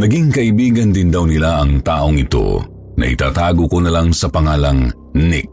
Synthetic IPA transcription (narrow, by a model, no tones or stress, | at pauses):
nɐɡiŋkɐʔibiːɡɐnd̪ɪnd̪awnɪlaʔɐŋt̪aːʔoŋɪt̪o̞̰ | nɐ̰ʔḭt̪a̰ːt̪aːɡokonɐlaŋsɐpɐŋaːlaŋ | nɪk̚